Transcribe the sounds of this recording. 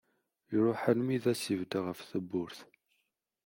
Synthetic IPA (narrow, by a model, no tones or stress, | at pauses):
jɾˤʊħəlmiðæsivd̪aʁəfθəbːʊɾθ